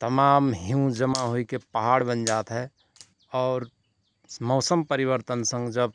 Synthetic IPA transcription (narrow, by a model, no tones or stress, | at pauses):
t̪əmaːmɦjũd͡ʒəmaɦoikepəɦaɽbənd͡ʒaːt̪ɦɛ | ɔːɾ | mɔʊsəmpəɾiʋəɾt̪ənsə̃ŋɡd͡ʒəb